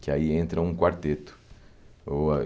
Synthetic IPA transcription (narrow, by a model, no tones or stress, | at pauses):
kɪaiẽnt̪ɾɐũkwaɾt̪et̪ʊ̥ | oa